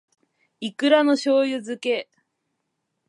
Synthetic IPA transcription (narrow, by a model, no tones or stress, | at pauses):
ikɯ̟ɾano̞ɕo̞ːjɯzɨke̞